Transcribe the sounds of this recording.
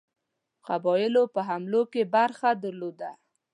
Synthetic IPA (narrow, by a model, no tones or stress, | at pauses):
qabɔjɪlopəɦamlokebaɾxad̪əɾlod̪a